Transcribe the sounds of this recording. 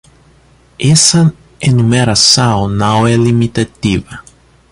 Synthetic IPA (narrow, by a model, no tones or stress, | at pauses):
esɐ | enumeɾasawnawɛlimit̪at̪ivɐ